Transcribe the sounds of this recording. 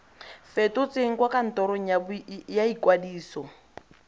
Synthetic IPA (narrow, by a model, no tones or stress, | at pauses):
fɛtɔt͡seŋ̩kwakan̩tɔɾɔabjaikwadiːsɔ